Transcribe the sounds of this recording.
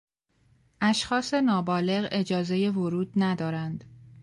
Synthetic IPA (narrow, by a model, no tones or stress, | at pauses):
ʔæʃxɒːse̞nɒːbɒːle̞ɣe̞d͡ʒɒːze̞je̞voɾuːd̪̥næd̪ɒːɾænd̪̥